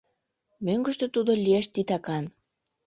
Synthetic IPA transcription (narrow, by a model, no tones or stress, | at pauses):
møŋɡə̆ʃt̪ø̆t̪ud̪olʲieʃt̪it̪ɑkɑn